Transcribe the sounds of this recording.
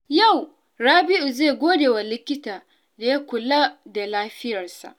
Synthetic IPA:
ja˦˨w | ɽaː˦bɪ˦ʔʊ˨ze˦˨ɡʷoː˦deː˨wa˨lɪ˦kʲɪ˦taː˨ | da˨ja˦kʷʊ˨laː˦da˨laː˦ɸɪ˦jɐ˨rsa̰˨ʔ

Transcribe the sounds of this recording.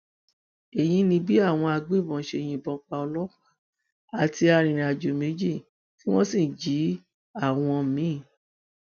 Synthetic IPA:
e˨j̃ĩ˧nĩ˧bi˦a˦˨w̃ɔ̃˧a˧ɡ͡be˨˦˨bɔ̃˨ʃe˧˨j̃ĩ˧bɔ̃˧k͡pa˧ɔ˧lɔ˦ka˦˨ | a˨tʰi˧a˧ɾ̃ĩ˨ɾa˨d͡ʒo˨me˨˦d͡ʒi˦˨ | ki˦w̃ɔ̃˦sĩ˦˨d͡ʒi˨˦ | a˦˨w̃ɔ̃˧mĩ˨˦˨

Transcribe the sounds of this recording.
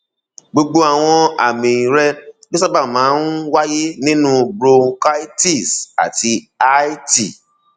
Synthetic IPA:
ɡ͡bo˧ɡ͡bo˧a˨w̃ɔ̃˧a̰˨mĩ˨ĩ˨ɾɛ˧d͡ʒo˦sa˦ba˦˨mãː˨˦n̩˦wa˦je˦nĩ˦nũ˦bɾo˧ka˦i˦ti˦˨sa̰˨ti˧ | a˦i˦ti˨

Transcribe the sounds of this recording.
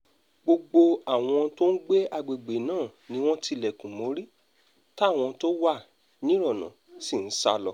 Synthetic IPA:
ɡ͡bo˧ɡ͡bo˧a˦˨w̃ɔ̃˧to˦n̩˦ɡ͡be˦a˧ɡ͡be˨ɡ͡be˨˦nãː˦˨nĩ˨˦w̃ɔ̃˦ti˧lɛ˨kũ˨mo˨˦ɾi˦ | ta˦˨w̃ɔ̃˧to˦wa˦˨ | nĩ˨˦ɾɔ˦˨nã̰˨˦si˦˨n̩˦sa̰˧lɔ˧˨

